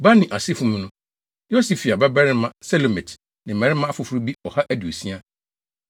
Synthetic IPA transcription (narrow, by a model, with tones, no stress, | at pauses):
ba˦nɪ̃˨ʔa˨sɪ˦fu˨˦mũ˦nʊ̃˦ | jo˦si˨fi˨a˨bɛ˦bɛ˦ɾɪ̃˦mã˦sɛ˦lo˨mɛ̃˨t | nɪ̃˨ɛ̃˨ɾɪ˦mã˦a˦fʊ˨fʊ˨˦ɾu˦bi˦ɔ˨ha˦ʔæ˦du˨e˨si˦a˦